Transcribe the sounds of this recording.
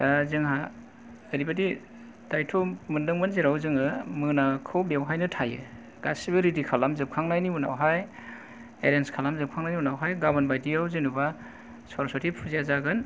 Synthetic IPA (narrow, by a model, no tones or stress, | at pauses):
azɯŋɦaː | ɾibadi | d̥ajtʰomɯndɯŋmanziɾawzɯŋɯmɯnakʰɯwbewɦajnɯtʰajɯ̰ | ɡ̥asibɯɾidikʰalamzɯp̚kʰaŋnajniuna̰wɦaj | ḛɾenskʰalamzɯp̚kʰaŋnajniunawɦajɡabanbajdijawzinuba | sɔɾsʰɔtʰipʰuziazaɡɯn